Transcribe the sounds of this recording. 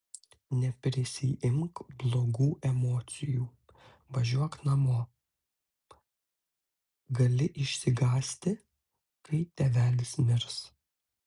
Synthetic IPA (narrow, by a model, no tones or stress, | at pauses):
nʲɛpʲɾʲɪsʲɪʔɪmkblˠoːɡuːʔɛmoːt̪sʲɪjuː | ʋɐʒʲuɔknɐmoː | ɡɐlʲɪʔɪʃʲsʲɪɡɑːsʲt̪ʲɪ | kɐɪt̪ʲɛʋʲæːlʲɪsmʲɪɾs